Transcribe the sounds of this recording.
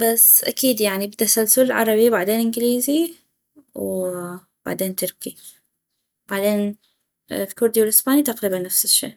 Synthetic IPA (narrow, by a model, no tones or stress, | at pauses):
basːʔakiːd̪jaʕnibt̪ːasalsʊlɪlʕɑ̰ɾˤɑbibaʕd̪eːnʔɪnɡɪliːzi | w | b̥a̰ʕd̪eːnt̪ʊɾki | b̥aʕd̪eːn | lkʊɾd̪iwɪlʔɪsbaːnit̪aqɾiːbanːafsɪʃːḛːʔ